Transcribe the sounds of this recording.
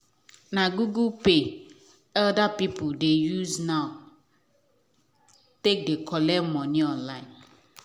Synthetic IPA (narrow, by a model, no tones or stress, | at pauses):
naɡuɡulpe | ɛldapipudejuznaʊ | tek̚dekʰɔlɛmɔniɔ̃nlãɪ̃n